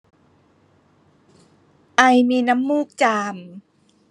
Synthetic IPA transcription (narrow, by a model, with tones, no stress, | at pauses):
ʔa˧jmiː˧na˧˦˥mːuː˥˩k̚t͡ɕaː˧m